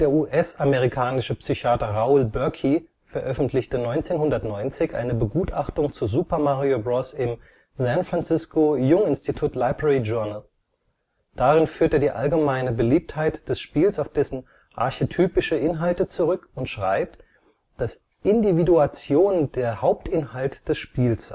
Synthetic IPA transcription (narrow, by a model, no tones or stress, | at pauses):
d̥eːɐʔuːʔɛsameʁikʰaːnɪʃəpsyçaːtɐʁaʊlbœɐkʰi | fɛɐʔœfn̩tʰlɪçtənɔʏnt͡seːnhɦʊndɐtnɔʏnt͡sɪçʔa̰ɪnəbəɡuːtaχtʊŋt͡suzupɐmaʁiobʁɔsɪm | zɛ̃nfʁ̥ant͡sɪskojʊŋɪnstitʰuːtlaɪbʁɛʁid͡ʒœɐnəl | d̥aʁɪnfyːɐteːdiːʔa̰lɡəmaɪnəbəliːp̚thaɪtd̥ɛsʃpiːlsaʊfd̥ɛsn̩ | ʔa̰ɐçetʰyːpɪʃəʔɪnɦaltət͡suʁʏkʊntʃʁ̥a̰ɪp̚t | d̥as | ʔɪndividuat͡sjoːnd̥eːɐhaʊp̚tʔɪnhaltd̥ɛsʃpiːlsz̥a